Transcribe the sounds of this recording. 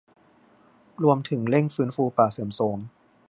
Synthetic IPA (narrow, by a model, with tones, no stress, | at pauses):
ɾu˧əmt̪ʰɯ˩˦ŋle˥˩ŋfɯː˦˥nfuː˧paː˨˩sɯ˩˦msoː˩˦m